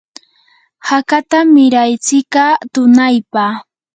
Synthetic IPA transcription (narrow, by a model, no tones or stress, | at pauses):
hakat̪amɪɾajt͡sɪkat̪ʊnajpa